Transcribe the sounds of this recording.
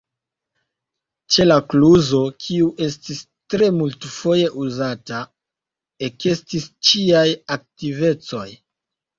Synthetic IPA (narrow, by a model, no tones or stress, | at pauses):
t͡ʃe̞lakluzo̞kʰiuʔe̞stis | tɾe̞multfo̞je̞ʔuzata | eke̞stist͡ʃiajak̚tive̞t͡so̞j